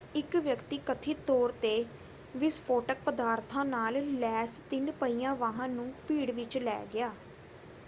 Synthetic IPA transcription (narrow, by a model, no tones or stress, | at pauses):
ɪkʋjəkt̪iːkət̪ʰiːt̪oːɾt̪eː | ʋɪspʰoːʈək̚pəd̪aːɾt̪ʰãːnaːllɛːst̪ɪnpəiːãːʋaːɦãːnũːpiːɽʋɪt͡ʃlɛ̰ːɡɪaː